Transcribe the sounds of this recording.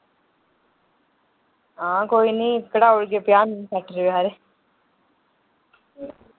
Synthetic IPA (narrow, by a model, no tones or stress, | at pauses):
ɦãkoːinĩːkɽaoɽɡepjaːnːsɛʈɾʋaːɾe